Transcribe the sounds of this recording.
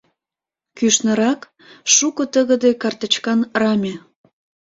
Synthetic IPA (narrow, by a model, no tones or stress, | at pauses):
kyʃnə̆ɾɑk | ʃukɤt̪əɣə̆d̪ekɑrt̪ə̆t͡ɕkɑnrɑmʲe